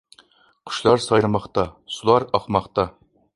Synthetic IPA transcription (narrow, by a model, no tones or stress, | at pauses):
qʰʊ̥ʃlˠɑɾsɑjɾɨmɑχt̪ɑsulˠɑɾɑχmɑχt̪ɑ